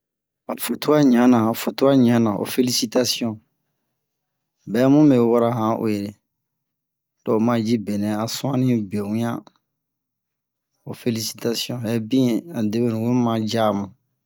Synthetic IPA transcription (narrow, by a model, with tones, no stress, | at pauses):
a˨fo˨to˦a˦ɲã˨˦nã˨a˨fo˨to˦a˦ɲã˦nã˨ʔo̰˨fe˦li˦si˦ta˦si˦ɔ̃˦ | bɛ˦mũ˦bɛ˨˦wɔ˦ɾa˦ɦã˨ʔo̰˨je˨ɾe˨ | d̥ɔ˨o˨ma˦d͡ʒi˦bɛ˨nɛ̃˨a˨sũ˦ã˦nĩ˦bẽ˨ũ˦jã˦ | o˨fe˦li˦si̥˦ta˦si˦ɔ̃˦bĩ˦˨a˨de˦be˦nũ˨wo˦mã˦d͡ʒa˦˨mã˨